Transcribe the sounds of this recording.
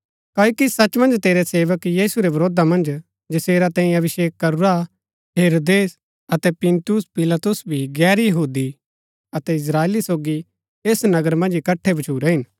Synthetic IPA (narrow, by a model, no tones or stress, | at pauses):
kaːokisɐt͡ʃmɐ̃nd͡ʒt̪eːɾeseːʋəkjiːsuɾebɐɾoːd̪amɐ̃nd͡ʒ | d͡ʒɐseːɾat̪ɛ̃ːĩɐbɪʃeːkːɐɾuɾa | ɦeːɾoːd̪eːs | ɐt̪ɛpɪ̃nt̪ʊspɪlat̪ʊsbʱiɡɛːɾjɐɦuːd̪i | ɐt̪ɛɪs̬ɾaːeːlisoːɡi | eːsnɐɡəɾmɐ̃nd͡ʒɪkɐʈʰːebɐt͡ʃʰuːɾeɦɪn